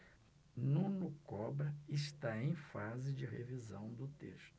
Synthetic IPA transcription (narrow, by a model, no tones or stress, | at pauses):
nũnukɔbɾɐɪst̪aẽj̃fazɪd͡ʒɪɦevizɐ̰̃w̃d̪ʊt̪ḛʃt̪ʊ